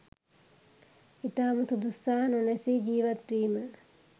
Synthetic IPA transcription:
it̪aːmut̪ud̪usaːnonɛsiːd͡ʒiːʋat̪riːmə

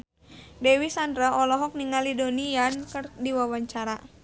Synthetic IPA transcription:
dɛwisandɾaʔɔlɔɦɔk̚niŋalidonijankərdiwawaɲt͡ʃaɾa

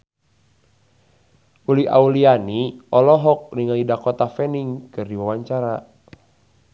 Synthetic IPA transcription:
ulia̰ulianiɔlɔɦɔk̚niŋalidakɔt̪afɛniŋkɨrdiwawaɲt͡ʃaɾa

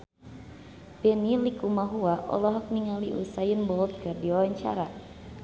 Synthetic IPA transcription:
pɛnilikumaɦuaʔɔ̰lɔɦɔk̚niŋaliʔṵsajənbɔlt̪̚kərdiɔwaɲt͡ʃa̰ɾa

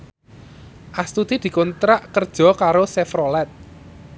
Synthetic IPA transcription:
ʔast̪ud̪̥id̪̥i̤kɔnt̪ɾaʔkərd̥ʒ̥ɔ̤kaɾosɛfɾɔlɛt̪̚

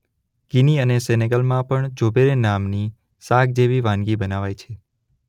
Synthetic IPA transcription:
ɡ̥iniəneseneɡəlmãpəɳd͡ʒobeɾenamni | saɡ̚d͡ʒeʋiʋãnɡibənaʋajt͡ʃʰe

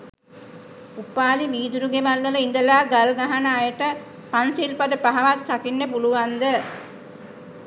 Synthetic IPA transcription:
upaːliʋiːd̪uɾuɡeʋalʋələind̪əlaːɡalɡaɦanəajəʈə | pansilpad̪əpaɦaʋat̪sakinːepuluʋand̪ə

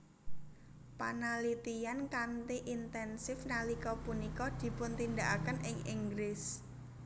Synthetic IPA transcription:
panalit̪ijankant̪iʔint̪ɛnsɪfnalikɔpunikɔd̪̥i̤pʊnt̪ind̪aʔakənʔɪŋiŋɡɾɪs

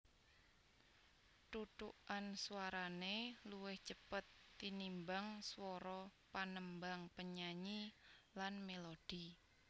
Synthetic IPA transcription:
t̪ut̪uʔansuwaɾaneluwɪht͡ʃəpət̪ːinimbaŋswɔɾɔpanəmbaŋpəɲaɲilanmelod̥i

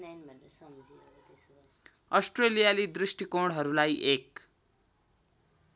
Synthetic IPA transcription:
ʌsʈrelijalid̪risʈikoɽɦʌɾulajʔek̚

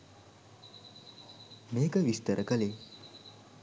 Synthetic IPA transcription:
meːkəʋist̪əɾəkəle

